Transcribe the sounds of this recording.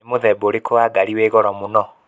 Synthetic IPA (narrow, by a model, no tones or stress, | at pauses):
emoðɛboɾekowaɡaɾiweːɣɔɾɔmonɔ